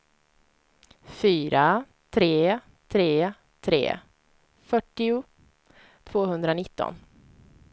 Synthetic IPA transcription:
fyːɾa | t̪ʰɾeː | t̪ʰɾeː | t̪ʰɾḛː | fœʈːɪʊ | t̪ʰv̥oːɦɵnd̪ɾanɪt̪ːɔ̰n

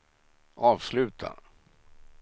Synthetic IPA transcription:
ʔɑːvslʉ̟ːt̪ʰa̰

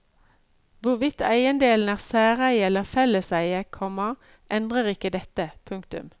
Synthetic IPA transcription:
ʋʊʁʋɪt̪æɪənd̪eːln̩æːʁsæːʁæɪɛləʁfɛləsæɪəkʰɔmɑ | ʔɛnd̪ʁəʁɪkːəd̪ɛt̪əpʰʉŋkt̪ʉ̰m

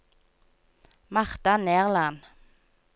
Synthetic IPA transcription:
mɑʁt̪ɑneːʁlɑn

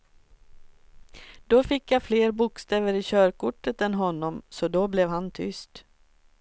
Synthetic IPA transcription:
d̪̥ɔfɪkːjafleːɾbʊkst̪eːvəɾɪɕœːɾkʊʈːət̪ɛnɦɔnːɔmsɔd̪ɔblɛvhant̪ʰʏ̰st̪

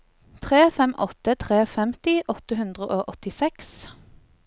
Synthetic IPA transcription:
t̪ʰʁeːfɛmʔɔt̪ət̪ʰʁeːfɛmt̪ɪʔɔt̪əɦʉnd̪ʁəʔoːʔɔt̪ɪsɛks

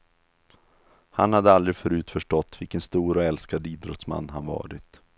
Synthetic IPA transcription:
hanhad̪ːəald̪ɾɪɡfœɾʉ̟ːt̪fœʂʈɔt̪ːvɪlkənst̪uːɾɔɛlskad̪iːd̪ɾɔt̪sma̰nːɦanvɑ̰ːɾɪt̪

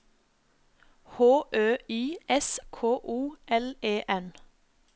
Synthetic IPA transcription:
hoːʔøːiːʔɛskʰoːʔuːʔɛleːʔɛn

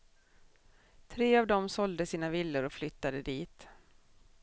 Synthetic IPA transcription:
t̪ʰɾeːavd̪ɔmsɔld̪əsiːnavɪlːəɾɔflʏt̪ːad̪əd̪iːt̪

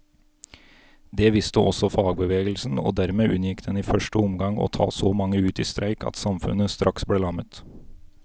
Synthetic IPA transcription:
d̪eːʋɪst̪əʔɔsɔfɑːɡbəʋeːɡəlsn̩o̰ːd̪æɾmeːʔʉnjɪkd̪ɛniːfœʂʈəʊmɡɑŋo̰ːt̪ʰɑ̰ːsoːmɑŋːəʉːt̪iːst̪ɾʔæɪkɑ̰t̪sɑmfʉ̰nəst̪ɾʔɑksbleːlɑmət̪

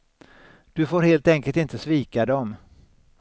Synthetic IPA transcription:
d̪̥ɵfoːɾheːlt̪ɛŋkəlt̪ɪnt̪əsviːkad̪ɔm

